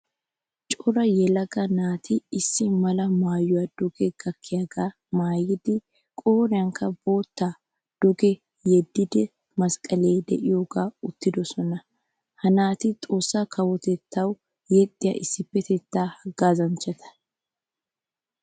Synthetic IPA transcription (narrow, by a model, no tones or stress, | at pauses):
t͡ʃʼɔɾɐjɛlɐɡɐnaːt̪ʰɪɪsːɪmɐlɐmaːjːʊwad̪̥ʊɡɛɡ̥ɐkːɪjaɡaː | maːjːɪd̪ɪ | kʼoːɾɪjɐŋkːɐbo̞ːt̪ːaː | d̪̥ʊɡɛ | jɛd̪ːɪd̪ɛ | mɐskʼɐleːd̪ɛ̰ʔɪjoːɡaːʊt̪ːɪd̪ɔsɔnɐ | hɐnaːt̪ɪt̪ʼo̞ːsːaːkʰɐwɔt̪ɛt̪ːɐw | jɛt̪ʼːɪjɐ̰ːʔɪsːɪpːɛt̪ɛt̪ːaːhɐɡaːzɐnt͡ʃːɐt̪ʰɐ̥